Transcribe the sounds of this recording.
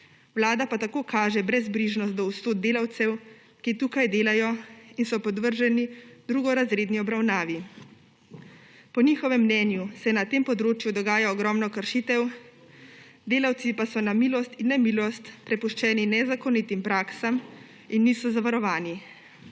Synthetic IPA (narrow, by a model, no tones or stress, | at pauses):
wlaːd̪apat̪akokʰaːʒɛbɾɛzbɾiːʒnɔst̪d̪ɔust̪oːd̪̚d̪eːlawt̪sɛw | kit̪uːkajd̪eːlajɔinsɔpɔd̪ʋəɾʒɛnid̪ɾuːɡɔɾazɾeːd̪niɔbɾawnaːʋi | pɔnixɔʋɛmːnɛːnjusɛnat̪eːmpɔd̪ɾoːt͡ʃjud̪ɔɡaːjaɔɡɾɔmnɔkəɾʃit̪ɛw | d̪eːlawt̪sipasɔnamiːlɔst̪inːɛmilɔst̪pɾɛpuʃt͡ʃɛːninɛzakɔnit̪impɾaːksam | inːiːsɔzaʋaɾɔʋaːni